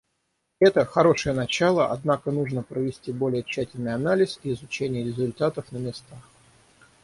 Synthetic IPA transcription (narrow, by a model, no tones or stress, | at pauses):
ɛt̪əxɐɾo̞ʂɨjənɐt͡ɕalˠəʔɐ̰d̪nakənuʐnəpɾəvʲɪsʲtʲibo̞lʲɪjət͡ɕːætʲɪlʲnɨjɐnalʲɪsiɪzʊt͡ɕenʲɪjəɾʲɪzʊlʲt̪at̪əfnəmʲɪst̪ax